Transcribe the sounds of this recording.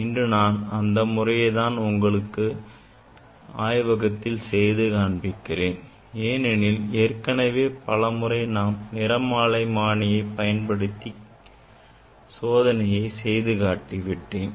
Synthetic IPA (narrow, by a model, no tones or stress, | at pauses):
ɪndrɯnaːnɐnd̪ɐmʊrɐjɐɪðaːnʊŋɡɐɭɯkːɯ | aːjʋɐɣɐt̪ːɪlsɛjðɯkaːɳbɪkːɪreːn | eːnɛnɪleːɾkɐnɐʋeːpɐlɐmɯrɐɪnaːmnɪɾɐmaːɭɐɪmaːɳɪjɐɪpɐjɐnpɐɽɯt̪ːi | soːðɐnɐjɐɪsɛjðɯɣaːʈːiʋɪʈːeːn